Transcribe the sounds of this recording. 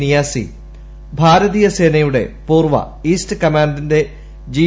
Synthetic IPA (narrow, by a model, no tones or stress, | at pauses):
nijaːsḭ | bʱaːɾɐðijɐseːnɐjuɽe̞̰puːrʋɐ̰ | iːstɨkɐmaːndinde̞ | d͡ʑi